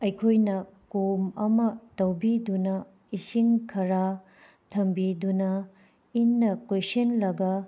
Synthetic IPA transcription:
ɐjkʰojnɐ | komɐmɐtɐwbidunɐ | isiŋkʰɐɾa | tʰɐmbidunɐ | inːɐkojsinlɐɡɐ

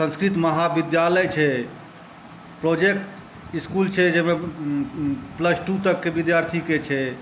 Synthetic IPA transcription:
sə̃nskɾit̪məɦabid̪jaləjt͡ʃʰɛ | pɾod͡ʒek̚ʈ | iskult͡ʃʰɛd͡ʒɛme | pləsʈut̪əkːebid̪jaɾt̪ʰiket͡ʃʰɛ

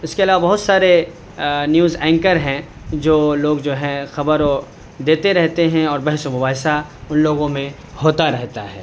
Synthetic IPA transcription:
ɪskeɐlaːʋabɐɦʊt̪saːɾe | njuːzɛ̃ːŋkəɾɦɛ̃ | d͡ʒoːloːɡd͡ʒoːɦɛ̃xɐbəɾo | d̪eːt̪eɾɛɦt̪eɦɛ̃ɔːɾbɛɦsomʊbaːɦsaʊnloːɡõmẽ | hoːt̪aɾɛɦt̪aɦɛ̰ː

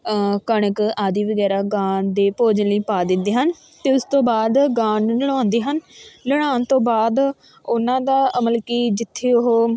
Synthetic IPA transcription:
kəɳəkaːd̪iːʋəɡɛːɾaːɡãːnd̪eːpoːd͡ʒliːpaːd̪ɪnd̪eːɦən | t̪eːʊst̪õːbaːd̪ɡãːnləɽ̃ãːnd̪iːɦənləɽ̃aːnt̪õːbaːd̪ | ʊnãːd̪aːʔəməlkiːd͡ʒɪt̪ʰːeːʊɦoː

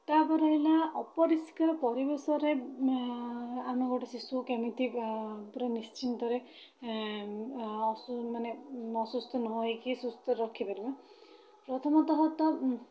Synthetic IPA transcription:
t̪apɔɾɔɦilaɔpɔɾiskaɾpɔɾibesɔɾe | amɔɡɔʈesisukemit̪ʰipɾenist͡ʃint̪ɔɾe | ɔsmaneɔsust̪ʰɔnɔɦekisust̪ɔɾɔkʰːipaɾiba | pɾɔt̪ʰɔmɔt̪ɔɦɔt̪ɔ

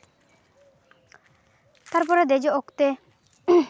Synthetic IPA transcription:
t̪aɾpɔɾad̪ɛd͡ʒɔʔɔkt̪ɛ

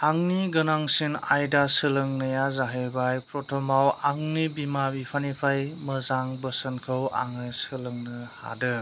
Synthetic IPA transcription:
aŋniɡɯnaŋsinajdasɯlɯŋnɯjazaɦebajpɾɔtʰɔmawaŋnibimabipʰanipʰajməzaŋbəsənkʰɯwa̰ŋɯsɯlɯŋnɯha̰dɯ

